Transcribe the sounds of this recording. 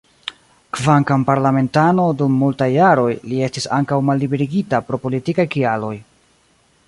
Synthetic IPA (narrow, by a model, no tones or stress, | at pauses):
kvaŋkampaɾlame̞ntano̞dumːultajːaɾo̞jlie̞stisaŋkawmalːibe̞ɾiɡitapɾo̞po̞litikajkialo̞j